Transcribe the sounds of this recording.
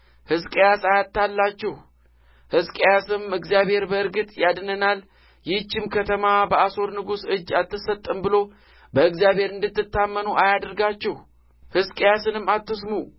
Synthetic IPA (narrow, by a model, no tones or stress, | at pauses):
hɨskʼejasajat̪ːalːat͡ʃːɛh | hɨskʼejasɨmɨɡzijabhe̞ɾbəɨɾɡɨt̪ʼjad̪nənal | jɪt͡ʃːɪmkʰət̪ʰəmabəaso̞ɾnɨɡusɨd͡ʒːat̪ːɨsːət̪ʼːɨmbɨlo̞ | bəɨɡzijabhe̞ɾɨnd̪ɨt̪ːɨt̪ːamːənuʔajad̪əɾɡat͡ʃːɛh | hɨskʼejasɨnɨmːat̪ːɨsmu